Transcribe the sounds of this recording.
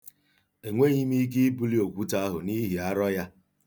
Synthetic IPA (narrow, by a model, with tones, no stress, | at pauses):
e˨ŋʷe˦ɲi˦mi˦ɡi˦i˦bu˦li˦o˨kʷu˦ta˦a˦ɦʊ̰˨ni˦ɦi˨a˦ɾɔ˦ja˦